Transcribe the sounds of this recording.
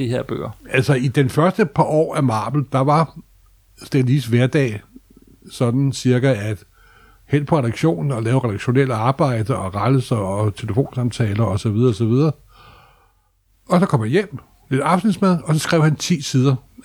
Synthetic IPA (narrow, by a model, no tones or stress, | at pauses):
d̥iheɐ̰b̥ø̰ːɐælsɒid̥enfɶɐsd̥əpʰɑ̈ʔɒ̰ːæmɑ̈ːb̥l̩d̥ɑ̈ʋɑ̈ | sd̥eliːsʋæɐd̥ɛ̰ː | sɒ̽d̥n̩siɐɡ̥ææd̥ | hel̰pʰɒʁɛɾ̥ɑ̈ɡ̥ɕo̝̰ːnn̩ɒ̽lɛːʊʁɛdɾ̥ɑɡ̥ɕo̝nel̰əɑ̈ːb̥ɑ̈ɪ̰d̥əʔɒ̽ʁɑləsɐɒ̽t͡sʰe̝ləfo̝̰ːnsɑ̈mt͡sʰɛːlɐɒ̽sɒ̽ʋið̞ˠɐɒsɒ̽ʋið̞ˠɐː | ɒ̽sɒkʰɒ̽m̰jæjem̰ | led̥ɑ̈fd̥n̩smæðˠɒ̽sɒ̽sɡ̥ʁɛʊhænt͡sʰḭːsið̞ˠɐ